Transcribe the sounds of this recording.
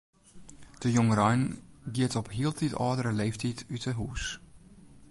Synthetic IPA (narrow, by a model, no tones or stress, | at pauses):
d̥əjɔŋəɾɔjnɡiətɔpɦiəlˠtʰitɔːdəɾəleːftitytəɦuːs